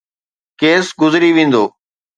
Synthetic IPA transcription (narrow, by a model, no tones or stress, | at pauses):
keːsɡʊzɾiːʋẽːn̆d̪oː